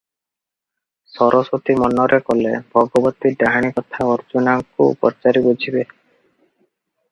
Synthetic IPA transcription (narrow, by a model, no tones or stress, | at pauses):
sɔɾʔɔsot̪imɔnːɔɾʔekolebʱɔɡɔbɔt̪ːid̪aɦaɽ̃ikɔt̪ʰaɔɾd͡ʒunakuṵpɔ̰ɾt͡ʃaɾibod͡ʒʱibe